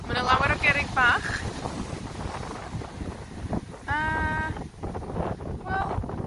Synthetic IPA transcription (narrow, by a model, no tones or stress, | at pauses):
mənəlˠawəɾəɡɛɾɪŋbaχ | ə | wɛlˠ